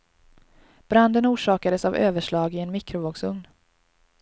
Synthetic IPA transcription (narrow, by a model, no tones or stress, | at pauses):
b̥ɾand̪ənuːʂɑːkad̪əsavø̰ːvəʂɭɑːɡɪɛnmɪkɾʊvoːɡsɵŋn